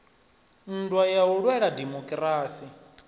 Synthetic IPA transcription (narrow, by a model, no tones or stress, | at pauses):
n̩dwajaɦuɺwɛɺadɛmɔkʼraːsi